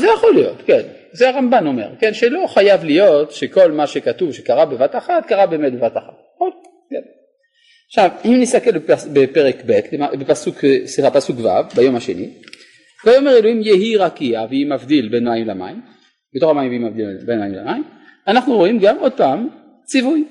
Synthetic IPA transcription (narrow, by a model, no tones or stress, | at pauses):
zejaχolijo̞̰tken | zeaʁambano̞me̞̰ʁkenʃelo̞χajavlijo̞tʃeko̞lmaʃekatuvʃekaʁabevataχatkaʁabeːmet̚bevataχat̚ | o | ken | aʃavimnist̪akelbepbepeʁekbetlemabepasuksliχapasukva̰vbajo̞maʃe̞̰nḭ | vajomeʁeloimjeɦiʁakiaveimavd̪ilbe̞nmajimlama̰im | bet̪o̞χamaimveimavd̪ilbenmajimla̰maim | anaχnuʁoimɡamo̞d̪̚paːm | t͡sivuj